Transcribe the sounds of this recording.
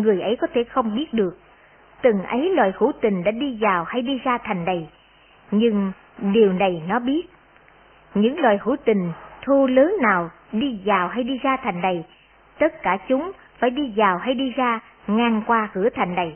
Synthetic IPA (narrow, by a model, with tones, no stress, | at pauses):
ŋɨ˨˩əjʔə˨˦jkɔ˨˦t̪ʰe˧˩xə˧wŋ͡mɓi˦˥ət̚ɗɨ˨˩ək̚ | t̪ɨ˨˩ŋʔə˨˦jlwaː˨˩jhṵ˧˩t̪ï˨˩ŋ̟ɗa̰ː˧˥ɗi˧zaː˨˩wha˧jɗi˧zaː˧t̪ʰa˨˩jŋ̟ɗə˨˩j | ɲɨ˧ŋ | ɗi˨˩əwnə˨˩jnɔ˨˦ɓi˦˥ət̚ | ɲɨ̰˧˥ŋlwaː˨˩jhu˧˩t̪ï˨˩ŋ̟t̪ʰu˧ləː˨˦nːaː˨˩w | ɗi˧zaː˨˩wɦa˧jɗi˧zaː˧t̪ʰa˨˩jŋ̟ɗə˨˩j | t̪ə˦˥t̚kaː˧˩t͡ɕʊ˨˦ŋ͡m | faː˧˩jɗi˧zaː˨˩wɦa˧jɗi˧zaː˧ | ŋaː˧ŋkwaː˧kɨ˧˩ət̪ʰa˨˩jŋ̟ɗa˨˩j